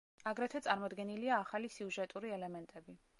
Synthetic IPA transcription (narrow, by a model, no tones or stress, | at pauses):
aɡɾɛt̪ʰwɛt̪sʼaɾmɔd̪ɡɛniliaːχalisiuʒɛt̪ʼuɾiɛlɛmɛnt̪ʼɛbi